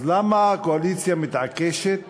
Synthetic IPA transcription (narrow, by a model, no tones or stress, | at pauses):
lamakoalit̪t͡sjamit̪ʕakeʃet̪